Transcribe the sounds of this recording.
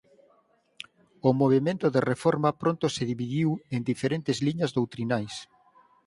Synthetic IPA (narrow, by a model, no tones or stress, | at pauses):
omoβ̞emẽnt̪ʊðerefɔɾmɐpɾont̪oseðiβiðiwend̪ifeɾent̪ɪzliɲɐzðowt̪ɾinajs